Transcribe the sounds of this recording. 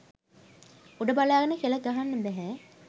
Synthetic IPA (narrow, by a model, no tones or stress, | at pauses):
uɖəbalaːɡənəkieləɡ̪aɦanːəbæɦɛ